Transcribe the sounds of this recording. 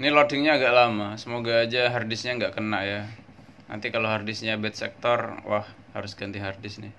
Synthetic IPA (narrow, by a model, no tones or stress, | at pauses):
nɪlodɪŋɲaːɡaʔlamasəmoɡaːd͡ʒaɦardɪsɲaŋɡaʔkənaʔja | na̰nt̪ikaloɦardɪsɲabɛt̪̚sɛ̰k̚t̪ɔrwa̰h | ha̰ɾʊsɡ̥ant̪iɦardɪsnɪh